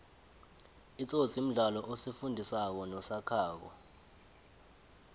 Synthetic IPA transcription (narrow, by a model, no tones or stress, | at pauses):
it͡sʼot͡sʰʼim̩ɮalɔʔosifundʱisak̬ɔnɔsakʰaːk̬ɔ̰